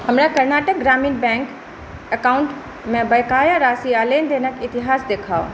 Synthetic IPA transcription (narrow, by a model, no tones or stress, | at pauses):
hɐmɾakɐɾnaːʈək̚ɡɾaːmiːnbɛ̃ːŋk | ɐkaːʊ̃ɳʈ | mẽbɐjkaːjaɾaːsiaːleːnd̪eːnəkɪt̪ɪɦaːsd̪eːkʰaːo̰